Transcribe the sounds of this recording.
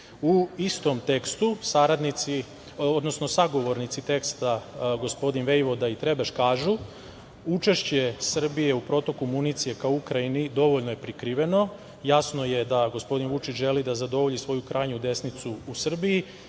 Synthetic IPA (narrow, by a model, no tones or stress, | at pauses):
uist̪o̞mt̪e̞kst̪usaɾad̪nit̪si | od̪no̞sno̞saɡo̞ʋo̞ɾnit̪sit̪e̞kst̪aɡo̞spo̞d̪inʋe̞jʋo̞d̪ait̪ɾe̞baʃkaːʒu | ut͡ʃe̞ʃt͡ɕe̞sr̩bije̞upɾo̞t̪o̞kumunit̪sije̞kaoukɾainid̪o̞ʋoʎnoje̞pɾikɾiʋe̞no̞ | jasno̞je̞d̪aɡo̞spo̞d̪inʋut͡ʃit͡ʃʒe̞lid̪azad̪o̞ʋo̞ʎisʋo̞jukɾʔaːjɲud̪e̞snit̪suːsr̩biji